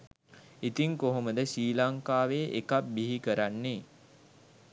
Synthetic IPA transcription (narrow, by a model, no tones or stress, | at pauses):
it̪iŋkoɦoməd̪əʃiːlaŋkaːʋeːʔekap̚biɦikəɾanːe